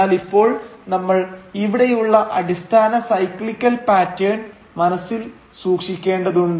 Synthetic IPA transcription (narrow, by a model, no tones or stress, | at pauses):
aːlipːo̞ːɭnɐmːɐɭiʋiɽejuɭːɐʔɐɽist̪ʰaːnɐsɐjkɭikʲːɐlpaːtːeːɳɖ | mɐnɐsːil | suːkʂikʲːe̞ːɳɖɐðuɳɖ